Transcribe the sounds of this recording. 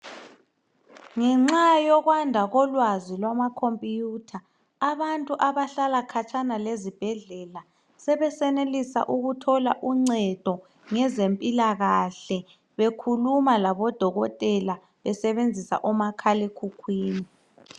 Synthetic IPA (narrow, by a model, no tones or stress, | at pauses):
ŋɛŋ͡ǁajɔɣwandʱaɣɔlwazilwamakʰompʼjutʰaː | βantʼuʔaβaɬalakʰat͡ʃʼanalezib̥ʱɛɮɛla | sɛβɛsɛnelisa̰ʔuɣutʰɔlaʔuŋ͡ǀɛd̥ʱɔ | ŋɛzempʼilaɣaɬɛ | βekʰulumalaβɔd̥ʱɔɣɔtʼɛla | βɛsɛβend͡zʱisa̰ʔɔmakʰalekʰukʰwiːni